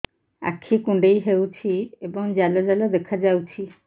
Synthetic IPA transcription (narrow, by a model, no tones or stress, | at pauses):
a̰kʰikũɳɖejɦewt͡ʃʰiebɔŋd͡ʒalɔd͡ʒalɔd̪ekʰad͡ʒawt͡ʃʰi